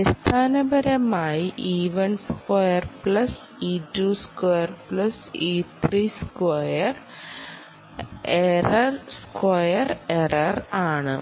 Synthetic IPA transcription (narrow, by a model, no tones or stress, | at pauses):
ist̪ʰaːnɐbɐɾɐmaːjiʔiːʋɐnskɐjɐrpɭɐs | iːtuːskojɐrpɭɐsiːt̪ʰriːskwɐjɐr | erɐrskwɐjɐrerɐraːɳɨ̰